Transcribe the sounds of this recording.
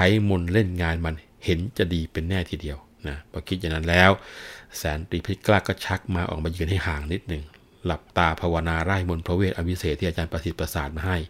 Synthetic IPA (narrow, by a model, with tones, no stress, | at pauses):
kʰa˨˦jmo˧nle˥˩nŋaː˧nma˧n | he˩˦nt͡ɕa˨˩diː˧pe˧nːɛː˥˩t̪ʰiː˧˩di˧əw | na˦˥˩b̥ɔː˧˦kʰi˦˥t̪̚ja˨˩ŋna˦˥nlɛː˦˥wsɛː˨˦nt̪i˧˩pʰi˦˧˩klaː˥˩kːɔ˥˩t͡ɕʰa˦˥k̚maː˧ʔɔ̰˨˩maː˧jɯː˧nha˥˩jhaː˨˩˦ŋni˦˥t̪̚nɯ˨˩ŋ | la˨˩p̚t̪aː˧pʰa˧wa˧naː˧ɾaː˥˩jmo˧npʰɾo˧weː˥˩t̪̚ʔa˧wʰi˦˥seː˨˩t̪ʰiː˥˩˨a˧t͡ɕaː˧npɾa˧si˨˩t̪̚pːɾa˧saː˨˩t̪̚maː˧ɦa˥˩j